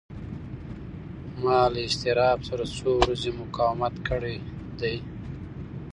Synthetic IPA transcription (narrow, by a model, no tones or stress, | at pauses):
mɑlaɪst̪ɪɾɑbsaɾat͡sowɾazemʊkɑwmat̪kəɽe | d̪aj